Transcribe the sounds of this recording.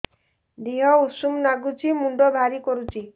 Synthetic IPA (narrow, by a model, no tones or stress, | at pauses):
d̪iɦɔusumnaɡut͡ʃʰimuɳɖɔbʱaɾikɔɾut͡ʃʰi